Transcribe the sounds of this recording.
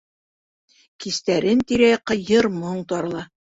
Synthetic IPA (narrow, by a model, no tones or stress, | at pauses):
kist̪æɾɘnt̪iɾæjqɤ̆jɤɾmoɴt̪ɒɾ̆lˠɑ